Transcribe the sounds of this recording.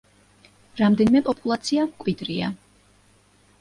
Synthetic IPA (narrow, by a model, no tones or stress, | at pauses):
ɾamd̪ɛnimɛpʼɔpʼulˠat̪sʰiamkʼwid̪ɾia̰